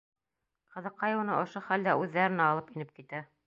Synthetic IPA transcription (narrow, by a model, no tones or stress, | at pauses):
qɤ̆ðɤqːɑjɤw̆nɤʔŏʃoχæld̪æʔʉðːæɾɘ̆næɑlˠɤpinɘp̚kit̪æ